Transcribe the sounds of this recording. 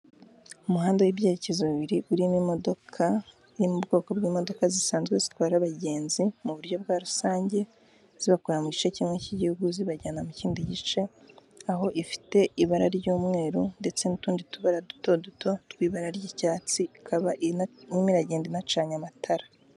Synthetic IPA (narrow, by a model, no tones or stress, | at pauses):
umuhaːndowiβjeɾecezoβiβiɾiʔuɾimimo̞do̞kʰa | iɾimubɡo̞ːko̞bɡiːmo̞do̞kazisaːnzɡwe̞zitwaːɾɾaβaɟe̞ːnzimuβuɾɟo̞b̚ɡaːɾusaːɲɟe̞ | z̥iβakoɾamuɟit͡ʃeciːmŋeciɟihuɡuziβaɟaːnamuciːndiɟit͡ʃe̞ | aho̞ʔifi̥te̞iβaɾaɾɟuːmŋe̞ːɾunde̞t͡se̞nutuːndituβaɾadu̥to̞duto̞twiːβaɾaɾɟicaːt͡siikʰaβaʔiimiɾaɟeːndinat͡ʃaːɲamatʰaɾa